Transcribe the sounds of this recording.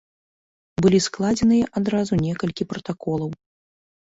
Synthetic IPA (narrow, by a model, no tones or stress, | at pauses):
bɨlʲisklˠad͡zʲɛnɨjɐʔad̪ɾazunʲɛkɐlʲkʲipɾɐt̪akɔlˠɐw